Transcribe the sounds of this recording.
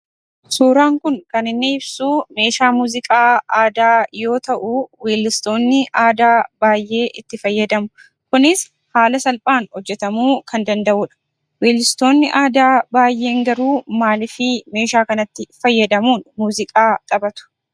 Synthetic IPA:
suːɾaːŋkʊŋkɐnɪnːeːɪbsuːme̞ːʃaːmuːzɪkʼaːaːd̪aːjo̞ːt̪ɐʔuːweːlːɪst̪o̞ːnːɪʔaːd̪aːbaːjʔe̞ːʔɪt̪ːɪfɐjːɐd̪ɐmʊ | kʊnɪs | haːlɐsɐlpʼaːnhɔd͡ʒːɛt̪ɐmuːkʰɐnd̪ɐnd̪ɐʔʊᶑɐ̥ | weːlɪst̪o̞ːnːɪʔaːd̪aːbaːjʔe̞ːŋɡɐɾuːmaːlɪfɪme̞ːʃaːkɐnɐt̪ːɪfɐjːɐd̪ɐmuːnmuːzɪkʼaːt̪ʼɐbɐt̪ʊ̥

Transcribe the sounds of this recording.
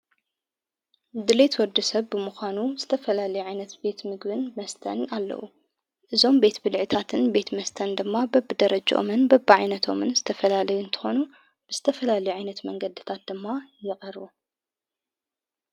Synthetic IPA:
d̪ɨlet̪wɔɾd̪ɐsɐβbɨmɨxʷanuz̥ɨt̪ʰɐfɐlalɐjuʕajnɐt̪be̞t̪mɨɡbɨnmɐst̪ʰɐ̰nalːɐ̰wṵ | ʔɨzo̞mbe̞t̪bɨlʕɨt̪ʰat̪ʰɨnbe̞t̪mɐst̪ʰɐnd̪ɨmːabɐbːɨd̪ɐɾɐd͡ʒɐʔo̰mɨnbɐbːʕajnɐt̪ʰo̞̰mɨnzɨt̪ʰɐfɐlalɐjuɨnt̪ʰɨ̥xo̞nu | b̥ɨz̥ɨt̪ʰɐfɐlalɐjuʕajnɐt̪mɐŋɡɐd̪ɨt̪ʰat̪̚d̪ɨmːajɪqʼɐɾu

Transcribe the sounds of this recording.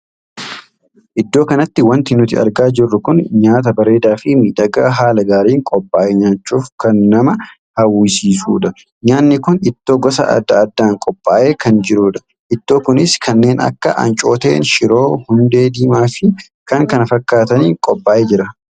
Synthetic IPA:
ʔɪd̪ːo̞ːkɐnɐt̪ːɪwɐnt̪ɪnʊt̪ɪɐ̰ɾɡaːd͡ʒɪrːʊkʊnɲaːt̪̬ɐbɐɾe̞ːd̪aːfɪmiːᶑɐɡaɦaːlɐɡaːɾiːŋkʼɔpʼːaːʔeɲaːt͡ʃːuːfkɐnːɐmɐ | hɐwːiːsiːsṵːᶑɐ | ɲaːnːɪkʊnɪt̪ːo̞ːɡɔsɐ̰ɐ̰d̪ːɐɐd̪ːaːŋkʼɔpʼːaːʔeːkɐnd͡ʒɪɾuːᶑɐ̥ | ʔɪt̪ːo̞ːkʊnɪskʰɐnːe̞ːnɐ̰kːɐʔɐ̰nt͡ʃʼo̞ːt̪ḛːnʃɪɾo̞ːhʊnd̪e̞ːd̪iːmaːfɪ | kɐŋkɐnɐfɐkːaːt̪ɐniːŋkʼɔpʼːaːʔeːd͡ʒɪɾɐ

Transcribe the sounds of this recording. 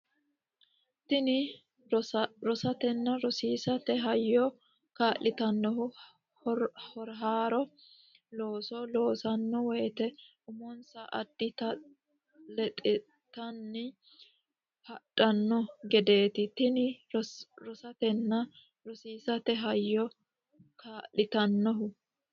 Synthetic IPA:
t̪ɪnɪ | ɾɔsɐt̪ɛnːɐɾɔsiːsɐt̪ɛɦɐjːɔ | kaːʔɪt̪ɐnːɔɦʊ | hɔɾɦaːɾɔ | loːsɔlo̞ːsɐnːɔwɛjt̪ɛ | ʊmɔnsɐʔɐd̪ːɪt̪ɐ | lɛt̪ʼɪ | t̪ɐnːɪ | hɐɗʼɐnːɔɡɛd̪e̞ːt̪ɪt̪ɪnɪ | ɾɔsɐt̪ɛnːɐ | ɾɔsiːsɐt̪ɛɦɐjːɔ | kaːlːɪt̪ɐnːɔɦʊ

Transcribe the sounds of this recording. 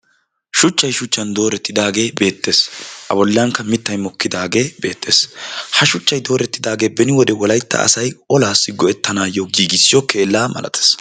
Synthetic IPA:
ʃʊt͡ʃːɐjʃʊt͡ʃːɐnd̪o̞ːɾɛt̪ːɪd̪aːɡe̞ːbe̞ːt̪ːe̞ːsʔɐ̰bɔlːɐŋkːɐmɪt̪ːɐjmɔkːɪd̪aːɡe̞ːbe̞ːt̪ːe̞̰ːshɐʃʊt͡ʃːɐjd̪o̞ːɾɛt̪ːɪd̪aːɡe̞ːbɛnɪwɔd̪ɛwɔlɐjt̪ːɐ̰ʔɐ̰sɐjɔlaːsːɪɡɔɛt̪ːɐnaːjoɡiːɡɪsːɪjɔke̞ːlːaːmɐ̰lʔɐ̰t̪ɐ̥s

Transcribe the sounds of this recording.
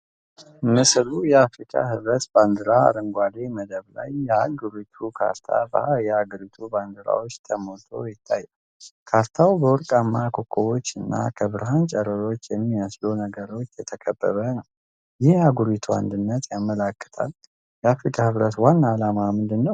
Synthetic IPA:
mɨslujɛafɾikʼa̰hɨβɾət̪band̪ɨɾaa̰ɾəŋɡʷad̪eməd̪əβla̰jːɛaɡuɾit̪ʰukʰa̰ɾt̪ʰa̰bə̰ajɛaɡəɾit̪ʰuband̪ɨɾa̰wo̞t͡ʃːt̪ʰəmot̪ʰo̞̰jɪt̪ʰːajːə | kʰaɾt̪ʰawbəwɔɾkʼamːakʰokʼʰːowo̞t͡ʃːɨnːa̰kʰəβɨɾɦant͡ʃʼɛɾəɾo̞t͡ʃːjɛmːiəslunəɡəɾo̞t͡ʃːjɛt̪ʰəkʰəbːə̰βənəw | jɪhaɡuɾit̪ʰua̰nd̪ɨnːət̪ʰjamːəlakːə̥t̪ʰa̰l | jɛafɾikʰʼahɨβɾət̪wanːalamamɨnd̪ɨnːəw

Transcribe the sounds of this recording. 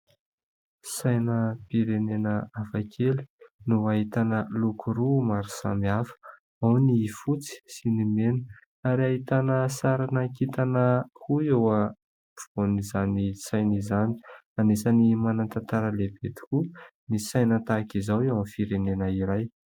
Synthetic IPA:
sajnəpiɾenenəafakʰeli̥nuaɦit̪anəlukuɾumaɾu̥sa̰miafə̥ | awnifut͡si̥sinimenə̥ | aɾiaɦit̪anəsaɾanəkit̪anəhuewə | vu̥b̥onizanisajnizani̥ | anesanimanant̪ant̪aɾəlebet̪i̥kunisajnət̪akizawewanfiɾenenəiɾaj

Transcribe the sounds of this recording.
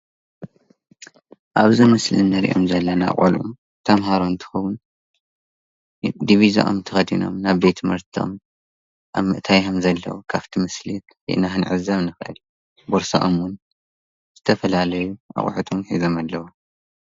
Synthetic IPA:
ʔaβzimɨslinːɐɾḭʔo̞̰mzɐlːɐna̰χʼɐ̰lʔu | t̪ʰɐmɦaɾont̪ʰɨ̥xɐwʊn | d̪iβiza̰ʔo̰mt̪ʰɐxɐd̪ino̞̰mnaβbe̞t̪ʰmɨɾt̪ʰo̰m | ʔa̰βmːɨʔt̪ʰajɐmzɐlːɐ̰wukʰaft̪ʰimɨslitwḭʔɨnahɨnʕɨ̰zɐβnɨxʔɨ̰lju | boɾsa̰ʔomwʊn | z̥ɨt̪ʰɐfɐlalɐjuʔa̰χʼħɨt̪ʰomħizomalːɐwo

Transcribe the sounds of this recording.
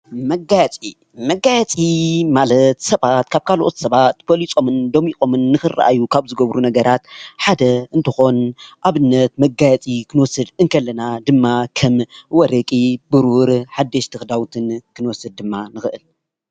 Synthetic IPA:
mɐɡajt͡sʼi | mɐɡajɛt͡sʼimalɐt̪sɐβat̪kʰaβkʰalʔo̞t̪sɐβat̪bolit͡sʼo̞mɨnd̪o̞mikʼo̞mɨnːɨxɨra̰ʔa̰jukʰaβzɨɡɐβɾunɐɡɐɾat̪ħad̪ɐɨnt̪ʰɨxo̞nʔaβɨnːɐt̪mɐɡajɛt͡sʼikʰɨnwɔsɨd̪ɨŋkʰɐlːɐnad̪ɨmːakʰɐmwɔɾɐkʼibɨɾuɾħad̪ːɐʃt̪ʰɨxd̪awt̪ʰɨnkʰɨnɨwɔsɨd̪̚ːɨmːanɨxɨʔɨl

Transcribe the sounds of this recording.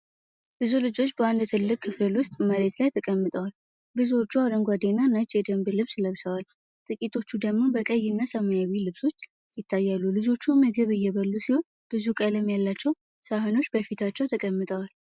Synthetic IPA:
bɨzulɨd͡ʒo̞t͡ʃːbəwand̪t̪ʰɨlːɨkʼʰːɨfɨlwʊst̪ʼməɾe̞t̪lajt̪ʰəkʼəmːɨt̪ʼəwal | bɨzuot͡ʃːuaɾəŋɡʷad̪enanat͡ʃːjɛd̪əmbɨlɨβsləβsəwal | t̪ʼɨkʼit̪ʰo̞t͡ʃːud̪əɡmo̞bəkʼəjːɪnːasəmajawilɨβso̞t͡ʃː | sɪt̪ʰːajːalːulɨd͡ʒo̞t͡ʃːuməɡəβɨjːɛβəlːusiho̞n | b̥ɨzukʼələmjalːat͡ʃːɛw | səhono̞t͡ʃːbəfit̪ʰat͡ʃːɛwt̪ʰəkʼəmːɨt̪ʼəwal

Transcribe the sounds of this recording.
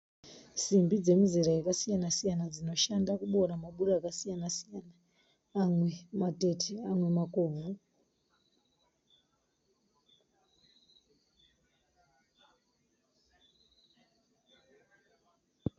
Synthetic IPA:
simbid͡ze̞muziɾajekasijanasijanad͡zino̞ʃandakuɓo̞ɾamaɓuɾaːkasijanasijanaː | mwe̞mate̞tʰeamwe̞makoːvu

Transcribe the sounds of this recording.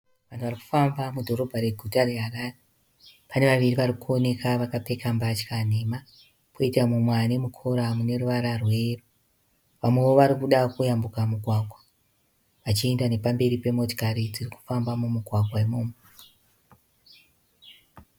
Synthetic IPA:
ʋantuʋariku̥fambamudʱo̞ɾo̞bʱaɾe̞ɡʱutare̞ɦaraːre | pane̞ʋaʋiriʋaɾikuo̞ne̞kaʋakape̞kambat͡ʃkanema | koitamumwane̞mukʰo̞ɾamune̞ruʋaɾarwe̞ru | ʋamwe̞ʋo̞ʋaɾikuɗakujambukamuɡʱwaːɡʱwa | ʋat͡ʃie̞ndane̞pambe̞ɾipe̞mo̞to̥kaɾid͡ziriku̥fambamumuɡʱwaɡwaimoːmwe

